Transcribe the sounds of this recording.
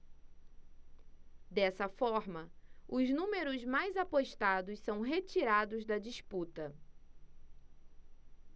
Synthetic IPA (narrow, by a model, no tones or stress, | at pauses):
d̪ɛsɐfɔɾmɐʊznũmeɾʊzmajzapoʃt̪ad̪ʊssɐ̃w̃ɦet͡ʃiɾad̪ʊzd̪ɐd͡ʒisput̪ɐ